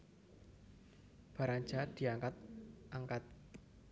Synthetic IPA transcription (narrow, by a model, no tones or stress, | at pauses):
b̥ä̤ɾan̥d͡ʒa̤d̪̥i̤aŋkat̪̚ʔaŋkat̪̚